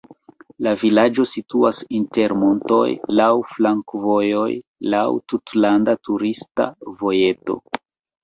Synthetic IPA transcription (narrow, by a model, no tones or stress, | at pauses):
lavilad͡ʒo̞situasinte̞ɾmo̞nto̞̰jlawflaŋkvo̞jo̞jlawtutlandatuɾista̰vo̞je̞to̞̰